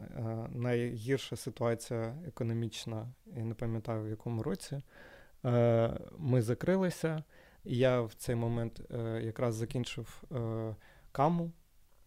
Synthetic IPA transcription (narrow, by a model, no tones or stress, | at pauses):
nɐjɦʲirʃɐsɪt̪ʊɑt͡sʲijɐekɔnɔmʲit͡ʃnɐinɛpɐmʲjɐt̪ɑjʊwjɐkɔmʊɾɔt͡sʲi | mɪzɐkɾɪlˠɪsʲɐ | jawt̪sɛjmɔmɛnt̪jɐkɾɑzːɐkʲinʲt͡ʃɪw | kɑmʊ